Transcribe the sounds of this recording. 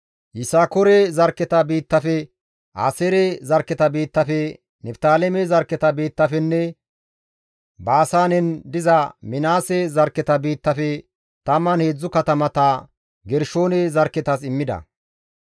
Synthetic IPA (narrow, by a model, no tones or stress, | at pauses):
jɪsaːkɔɾɛzɐɾkːɛt̪ɐbiːt̪ːɐfɛ | ʔa̰ːseːɾɛzɐɾkːɛt̪ɐbiːt̪ːɐfɛ | nɛpt̪aːlɛmɛzɐɾkːɛt̪ɐbiːt̪ːɐfɛnːɛ | baːsaːnɛnd̪ɪzɐmɪnaːsɛzɐɾkːɛt̪ɐbiːt̪ːɐfɛ | t̪ɐmːɐnheːd͡zːʊkɐt̪ɐmɐt̪ɐ | ɡɛɾʃo̞ːnɛzɐɾkːɛt̪ɐs̬ɪmːɪd̪ɐ̰